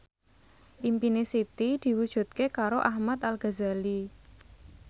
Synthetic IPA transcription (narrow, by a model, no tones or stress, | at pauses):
ʔimpinesit̪id̪̥i̤wud̥ʒ̥ṳt̪̚kekaɾoʔahmat̪alɡ̥a̤zali